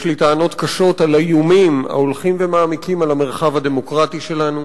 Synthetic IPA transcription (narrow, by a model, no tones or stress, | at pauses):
ʃlitaːno̞t̪kaʃo̞talajumima̰olχimvemaːmikimalame̞ʁχavhademo̞kʁatiʃe̞lanu